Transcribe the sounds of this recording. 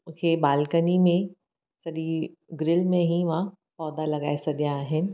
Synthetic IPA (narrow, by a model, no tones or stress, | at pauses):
kʰebaːlkənimẽ | sɐɗi | ɡɾɪlmẽɦiʋã | pɔːd̪alɐɡaːesɐɡjaːɦɪnɪ̆